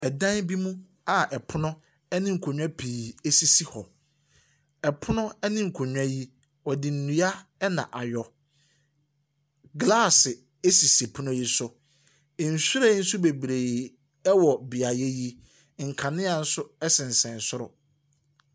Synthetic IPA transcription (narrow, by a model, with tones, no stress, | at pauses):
ɛ˨dã˦nbi˦mũ˦ | a˨ʔɛ˨pʰʊ˦nʊ̃˦ | ɛ˦nɪ̃˦ŋ̩˨kʰo˨ɲᶣ˦ã˦pʰiː˨e˦si˦si˦hɔ˨ | ɛ˨pʰʊ˦nʊ̃˦ɛ˦nɪ̃˦ŋ̩˨kʰo˨ɲᶣ˨ã˦ji˦ | wɔ˨dɪ˨n̩˨nũ˦a˦ɛ˦nã̰˨ʔa˨jɔ˨ | ɡla˦˨sɪ˨ | e˦si˨si˨pʰʊ˦nʊ̃˦ji˦sʊ˦ | ɪ˨n̩˨sʊ˦ɾa˦n̩˦sʊ˦be˨bɾeː˨ | ɛ˦wɔ˨bi˨a˨je˦ji˦ | ŋ̩˨kʰã˨nɪ̃˦a˨n̩˦sʊ˦ɛ˦sɪ̃˨n̩˨sɛ̃˨n˨sʊ˦ɾʊ̰˨